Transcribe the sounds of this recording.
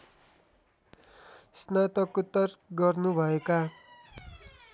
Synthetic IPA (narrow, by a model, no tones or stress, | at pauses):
snat̪ʌkut̪ːʌrɡʌrnubʱʌeka